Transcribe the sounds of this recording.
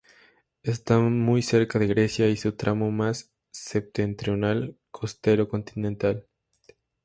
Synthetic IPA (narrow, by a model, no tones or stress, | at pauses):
est̪amujse̞ɾkaðe̞ɣɾe̞sjaisut̪ɾamomasː | ep̚t̪e̞nt̪ɾjo̞nalkʰo̞st̪e̞ɾo̞ko̞nt̪inẽnt̪al